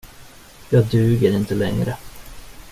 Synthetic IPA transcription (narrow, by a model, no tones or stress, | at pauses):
jɑːɡ̚d̪ʉ̟ːɡəɾɪnt̪əlɛ̰ŋɾə